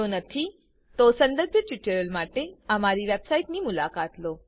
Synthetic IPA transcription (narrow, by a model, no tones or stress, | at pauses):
onət̪ʰi | t̪osənd̪əɾbʱjəʈʋiʈəɾəlmaʈeəmaɾiʋebsaiʈnimulakat̪lo